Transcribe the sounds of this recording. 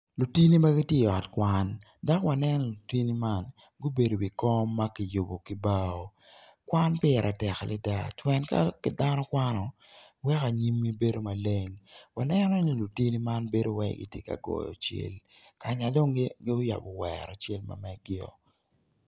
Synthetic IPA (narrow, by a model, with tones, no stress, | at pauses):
lu˨ti˦ni˦ma˦ɡɪ˦tje˦˨ɔ˨tkwa˦n | da˦kwa˨nɛ˦nɔ˦˨lu˨ti˦ni˦ma˦n | ɡo˦be˨do˨wi˨kɔ˦mːa˦kɪ˨jo˨bo˨ki˦ba˦o˨ | kwa˦npɪ˦ɛ˨ɾʔa˨tɛ˨xlɪ˦da̰˦twɛ˨nka̰˦kɪ˨da˦nɔ˦kwa˦nɔ˨ | wɛ˦ka˨ɲi˦mːi˦be˦do˦ma˨le˦ŋwa˨nɛ˦nɔ˦ni˦lu˨ti˦ni˦ma˦nbe˦do˦wɛ̰˦ɡɪ̰˦tjḛ˦ka̰˨ɡɔ̰˨jɔ̰˨t͡ʃḛ˦l | ka˨ɲa˨do˦ŋɡɪ˦ʊ˦ja̰˨bɔ˨wɛ̰ɾɔ˨t͡ʃe˦lma̰˨mɛ˨ɡɪɔ̰˨